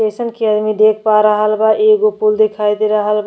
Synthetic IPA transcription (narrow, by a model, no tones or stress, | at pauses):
esənkeəd̪mid̪ekʰpaɾəɦəlbaʔeɡopuld̪ekʰajd̪eɾəɦəlb